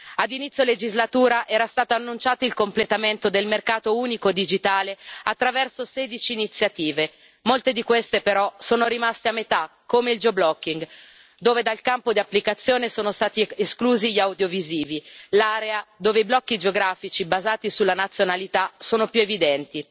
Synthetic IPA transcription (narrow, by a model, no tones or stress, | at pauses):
ad̪init̪sjoled͡ʒizlat̪uːɾaʔɛːɾast̪aːt̪oanːunt͡ʃaːt̪oilkomplet̪ament̪od̪elmerkaːt̪ouːnikod̪id͡ʒit̪aːleat̪ːɾavɛrsosɛːd̪it͡ʃiːnit̪sːjat̪iːve | molt̪ed̪ikwest̪epeɾɔsoːnoɾimast̪eamːet̪akːomeild͡ʒoblɔkːiŋɡ | d̪oːved̪alkampod̪iapːlikat̪sːjoːnesoːnost̪aːt̪ieskluːziʎawd̪joviziːvilaːɾead̪oːveiblɔkːid͡ʒeoɡɾaːfit͡ʃibazaːt̪isulːanat̪sːjonalit̪asoːnopjuevid̪ɛnt̪i